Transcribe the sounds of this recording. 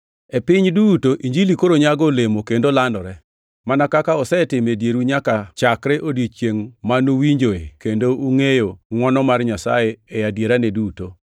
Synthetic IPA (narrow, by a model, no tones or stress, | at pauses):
epɪɲdutoʔiɲd͡ʒilikoɾoɲaɡolemokendolandɔɾɛ | manakakaɔsɛtɪmedjeɾuɲakat͡ʃakɾɛʔodit͡ʃjeŋmanowiɲd͡ʒoekendouŋejoŋwɔnɔmarɲasa̰jeɛjadjeɾaneduto